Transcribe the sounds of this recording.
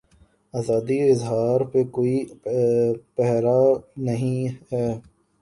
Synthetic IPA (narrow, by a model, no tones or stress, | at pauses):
aːzaːd̪iɪzɦaːɾpekoːi | pɛɦɾanɐɦĩɦɛː